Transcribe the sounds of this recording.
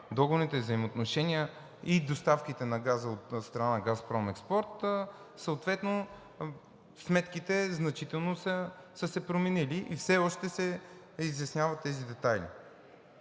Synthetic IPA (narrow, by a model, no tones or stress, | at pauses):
d̪ɔɡonit̪ɛivzɐimot̪noʃɛniə | id̪ost̪afkit̪ɛnɐɡazəot̪st̪ɾɐnanɐɡaspɾɔmɛkspɔɾt̪ | səot̪vɛt̪no | smɛt̪kit̪ɛznɐt͡ʃit̪ɛlˠnosəsəsɛpɾomɛniliʔifsɛɔʃt̪ɛsɛ | izjɐsnʲjavət̪ːɛzid̪ɛt̪ajlḭ